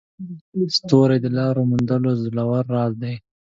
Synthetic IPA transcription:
st̪oɾad̪əlɑɾomʊnd̪əlozulawaɾːɑzd̪aj

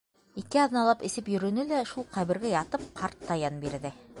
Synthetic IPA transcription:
ikɘɑðnɑlˠɑpɘ̆sɘpjɵ̆ɾɵ̆nɘlæʃulˠqɑβɘ̆ɾɡæjɑt̪ɤp̚qɑɾt̪ːɑjɑnbiɾðɘ

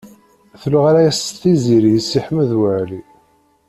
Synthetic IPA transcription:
θluʁaɾajæsθiziɾijəsːiħməðwəʕli

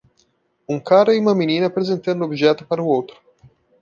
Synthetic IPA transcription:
uŋkʰaːɾaimaminiːnapɾezent̪end̪obd͡ʒɛt̪ːo̥paɾuot̪ɾʊ̥

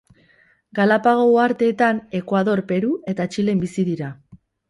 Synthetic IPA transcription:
ɡalapaɣ̞o̞uaɾt̪e̞ːt̪ane̞kwaðo̞ɾpe̞ɾue̞t̪at͡ʃile̞mbisiðiɾa

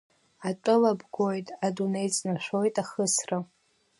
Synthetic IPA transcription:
atʼɨlabɡʷo̞jtʼadunejt͡sʼnaʃᶣʷo̞jtʼaχəsra

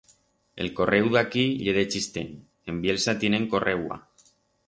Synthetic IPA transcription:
ḛlkorewðakiʎeðet͡ʃist̪en | embjelsat̪eneŋkorʔewa̰

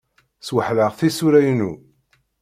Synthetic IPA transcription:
swəħləʁθisuɾæjnu

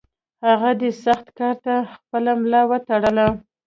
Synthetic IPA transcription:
haɣad̪esaxt̪kɑɾt̪axpəlamlɑwət̪aɽəla

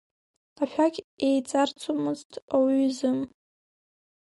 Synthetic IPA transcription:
aʃᶣaɡʲʼejt͡sʼart͡sʷʰʼomɨztʰawizɨm

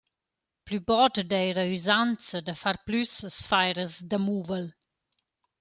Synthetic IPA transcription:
plybɔdd̪ɛjɾəyzant͡səd̪əfaɾplyssfajɾəzd̪əmuːvəl

